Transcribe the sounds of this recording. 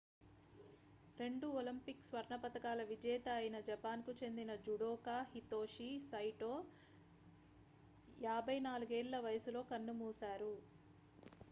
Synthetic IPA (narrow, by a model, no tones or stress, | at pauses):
ɾe̞ɳɖuolɐmpiksʋɐɾɳɐpɐt̪ɐkaːlɐʋid͡ʒɛːt̪ɐːjinɐd͡ʒɐpaːnkut͡ʃe̞nd̪inɐd͡ʒuɽoːkaːhit̪o̞ːʃisɐjʈoː | jaːbʱɐjnaːluɡeːɭːɐʋɐjɐsulo̞ːkɐnːumuːsaːɾu